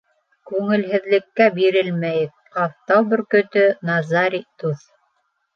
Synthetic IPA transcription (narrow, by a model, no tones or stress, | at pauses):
kʉŋɘ̆lɦɘ̆ðlɘ̆kːæbiɾɘlmæjɘk̚qɑft̪ɑwbɵ̆ɾkɵ̆t̪ɵnɑzɑɾit̪uθ